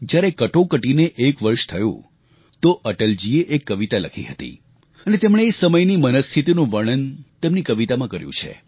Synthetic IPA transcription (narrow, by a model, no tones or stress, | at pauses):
d͡ʒjaɾekəʈõkəʈineʔekʋəɾʃt̪ʰəjṵ̃ | t̪oʔəʈəld͡ʒieʔekːəʋit̪aləkʰḭɦət̪ḭ | ənet̪emɳ̃eːsəməjnimənəst̪ʰit̪inũʋəɽ̃ənt̪emnikəʋit̪amãkəɾjṵ̃t͡ʃʰḛ